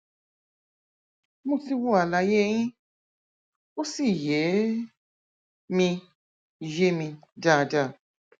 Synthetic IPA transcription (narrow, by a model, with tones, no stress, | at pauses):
mõ˦ti˦wo˦a˨la˧˦je˦j̃ĩ˦ | o˦si˦˨je˨˦ | mĩ˧˨ | je˦mĩ˧da˦˨da˦˨